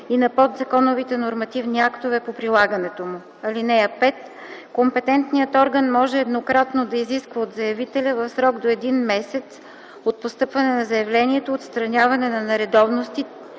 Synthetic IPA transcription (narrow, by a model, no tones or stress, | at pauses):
inɐpɔd̪zɐkɔnovit̪ɛnoɾmɐt̪ivniakt̪ovɛpopɾilˠaɡɐnɛt̪omʊ | ɐlinɛɐpɛt̪ | kompɛt̪ɛnt̪nijət̪ɔɾɡənmɔʒɛɛd̪nokɾat̪nod̪ɐiziskvəot̪zɐjɐvit̪ɛlʲɐvɐfsɾɔɡd̪oɛd̪inmɛsɛt̪s | ot̪̚post̪ɤpvɐnɛnɐzɐjɐvlɛnʲiɛt̪oːt̪st̪ɾɐnʲavɐnɛnɐnɐɾɛd̪ɔvnost̪i